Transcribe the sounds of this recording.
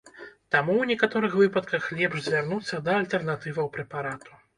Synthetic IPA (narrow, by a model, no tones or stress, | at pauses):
t̪amuwnʲɛkat̪ɔɾɨxvɨpɐt̪kɐxlʲɛpʐzʲvʲarnut̪sːɐd̪ɐːlʲt̪ɛrnat̪ɨvɐwpɾɛpaɾat̪u̥